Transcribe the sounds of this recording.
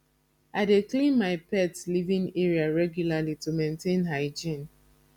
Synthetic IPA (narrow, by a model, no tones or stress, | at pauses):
aɪdeklĩnmaɪpɛtlivĩŋɛɹiaɹɛɡjulalitumẽntẽnɦaɪd͡ʒĩn